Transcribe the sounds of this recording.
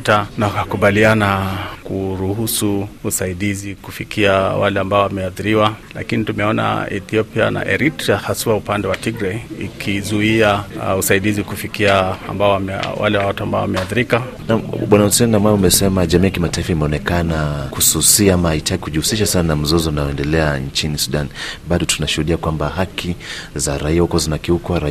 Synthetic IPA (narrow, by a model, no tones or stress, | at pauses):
tanakakuɓalianakuɾuhusuusaiɗizikufikʰiawalɛambaɔwamɛaθiɾiwala̰kinitumɛɔna̰ɛ̰θiɔpia̰na̰ʔɛ̰ɾitɾiahasuaupandɛwatiɡɾɛḭkʰizuiausaiɗizikufikiaa̰mbaɔwaɛwa̰lɛwawatuambaɔwamɛaθiɾika | namɓwanausɛnnamwaumɛsɛmaʄamiːjakimataifaimɛɔnɛkanakususiamaitʰaɡikuʄihusiʃasannam̩zɔzɔunajɔɛndɛlɛant͡ʃinisuɗanɓaɗɔtunaʃuhuɗiakwambahakʰi | zaɾaiahukwɔzinakiukwaɾa